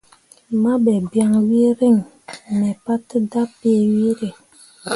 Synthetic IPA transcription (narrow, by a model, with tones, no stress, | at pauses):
ma˦bɛ˨bja˦ŋwi˦ɾe˦˨ŋ | nɛ˨pa˦tə˦da˦pe˦˨wi˦ɾe˨